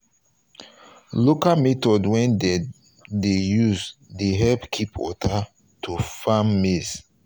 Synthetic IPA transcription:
lokamɛtɔdwɛ̃n | dejuzdeɦɛbkʰipwɔ̰ta | tʰufamːiz

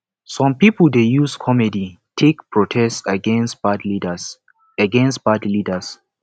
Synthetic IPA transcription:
sɔ̃mpipəldejuskʰɔmɛditʰekpʰɹɔtʰɛstsaɡɛ̃nsbadlidəs | aɡɛ̃nstb̥adlidəs

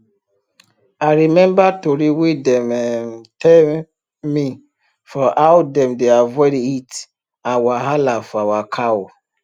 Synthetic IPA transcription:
aɾimɛ̃mbatoɾiwidɛmɛmtɛl | mi | fɔʔawdɛ̃mdeavɛɾiit | awaɦalafawakʰaw

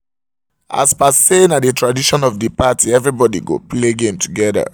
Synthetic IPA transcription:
ʔa̰spasenatdətʰɹadiʃɔ̃nɔvdəpatʰiɛvɹibɔdḭɡo̰pleɡẽmtʰuɡɛðə̰

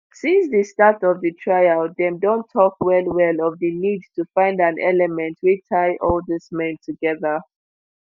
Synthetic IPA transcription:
sĩnsðestatɔvðɨtʰɹ̥aɪaðɛ̃mdõntʰːɔkwɛlˠwɛlɔvðɨnidtʰufãɪ̃ndãnʔɛ̰lɛmɛ̃ntʰwitʰaɪʔɔlˠðɪsmɛ̃ntʰuɡɛðə

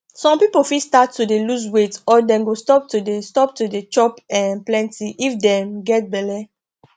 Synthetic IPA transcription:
sɔ̃mpipofistatːudelus̬wetɔdɛ̃nɡostɔp̚tudestɔp̚tudet͡ʃɔpɛ̃nplɛ̃ntiʔifdɛ̃mɡɛt̚bɛlɛ

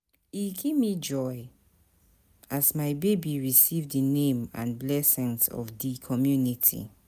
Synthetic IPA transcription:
iɡevmid͡ʒɔɪ | ʔazmaɪbebiɹisivðənẽmã̰nblɛsɪ̃nsɔ̰vdikʰɔmjunitʰḭ

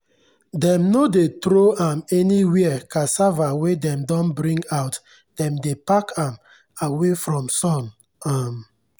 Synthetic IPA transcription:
dɛ̃mnodetɾoãmɛniwɛɛkʰasavawedɛ̃mdɔ̃nbɾĩŋɡaʊt | d̥ɛ̃mdepakãm | awefɹɔ̃msɔ̃n | am

